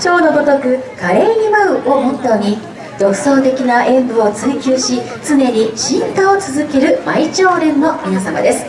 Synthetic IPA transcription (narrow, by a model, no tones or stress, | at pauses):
t͡ɕo̞ːno̞b̪o̞t̪o̞kɯ̟kaɾeɲʲimaɯ̟o̞mot̪ːoɲ̟i | ɾo̞kɯ̟̥so̞ːt̪e̞kʲinaʔẽ̞mbɯ̟o̞t͡sɨikʲɨːɕi | t͡sɨne̞ɾʲiɕĩnt̪aot͡sɨzɨke̞ɾɯ̟mait͡ɕo̞ːɾẽ̞mːo̞mʲinasama̰d̪e̞sɨ̥